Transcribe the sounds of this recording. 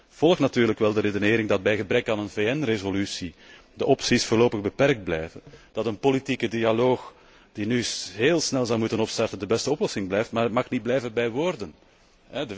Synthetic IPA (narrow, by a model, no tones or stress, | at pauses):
v̥ɔlˠxtnɑtyːrləkʋɛlˠdəɾedəneːɾɪŋdɑd̚bɛjɣəbɾɛkaːnənveːɛnrezolysi | dəʔɔpsisfʊːrloːpəɣbəpɛɾk̚d̚blɛjvənd̥ɑtənpolitikədialoːx | d̥inyɦeːlˠsnɛlˠzɑwmutənɔpstɑrtəndəbɛstəɔplɔsɪŋblɛjftmaːɾmɑxnid̚blɛjvəbɛjʋoːrdən | ɦɛdə